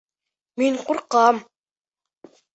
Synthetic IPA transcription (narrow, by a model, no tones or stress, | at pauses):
minqʊɾqɑm